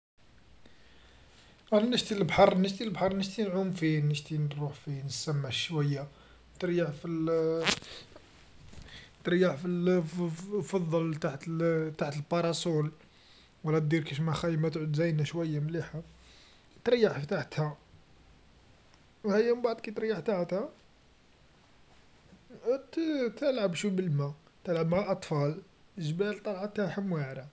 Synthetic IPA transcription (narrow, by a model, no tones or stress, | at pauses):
ʕlænːəʒt̪ilbħɑɾˤnəʒt̪ilbħɑɾˤnəʒt̪inʕʊmfinəʒt̪inɾˤuħfinəsːæmːæʃwæjːa | t̪ɾjaʕfil | t̪ɾjaʕfil | fɑd̪ˤːɑlt̪aʕt̪t̪aʕt̪əlpɑɾˤɑsul | wəlːæt̪̚d̪iɾkiʃmæxæjəmæt̪ʕʊd̪zæjnæʃwæjːamliħa | t̪ɾjːaħfit̪aħt̪hæ | whæjæmbaʕd̪ˤkæt̪ɾjːaħt̪aʕt̪hæ | t̪t̪əlʕəbʃubəlmæ | t̪əlʕəbmaʕaʔɑt̪ˤfɑl | ʒbælt̪ˤɑlʕat̪ːaħəmwaʕɾæ